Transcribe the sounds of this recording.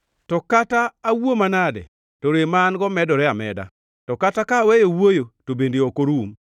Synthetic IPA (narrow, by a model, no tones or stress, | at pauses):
tɔkataːwomanadɛ̰ | toɾemanɡɔmɛdɔɾɛamɛ̰da̰ | tɔkatakawejowojotobendeokoɾum